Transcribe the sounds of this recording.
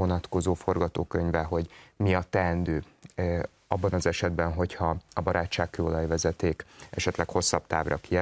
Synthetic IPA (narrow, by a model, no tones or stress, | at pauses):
onɒt̪ko̞zoːfo̞rɡɒt̪oːkøɲvɛɦo̞ɟmiɒt̪ːɛɛnd̪øː | ɒbːɒnɒzɛʃɛd̪bɛnɦo̞chɒɒbɒɾaːt͡ʃːaːkkøːolɒjvɛzɛt̪eːkɛ̰ʃɛt̪lɛkho̞sːɒbt̪aːbrɒkiɛ